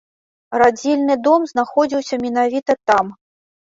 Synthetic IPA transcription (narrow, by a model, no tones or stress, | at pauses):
rad͡zʲɛlʲnɨd̪ɔmznaxɔd͡zʲiwsʲɐmʲɛn̪avʲit̪ɐt̪am